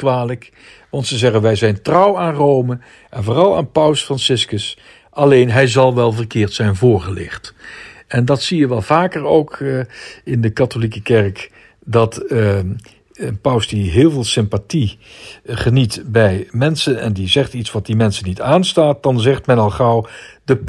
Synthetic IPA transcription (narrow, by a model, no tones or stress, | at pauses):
kʋaːlək | ʋɑntsəzɛχənʋɛjzɛjntrʌwaːnrowmə | ʔɛnvoːrɑlˠa̰ːnpʌwsfrɑnsɪskəs | ʔɑlejnɦɛjzɑlˠʋɛlˠvərkɪːɹtsɛjnvʊːɹχəlɪ̰χtɛndɑtsijəʋɛlˠvaːkərowk | ɪndəkatolikəkɛrk | dɑt | ənpʌwsdiɦɪːlˠvɪːlˠsɪmpati | χənitbɛjmɛnsənɛ̰ndizɛχtitsʋɑt̚dimɛnsənitaːnstaːt̚d̥ɑnzɛχtmɛnɑlˠχɑwdə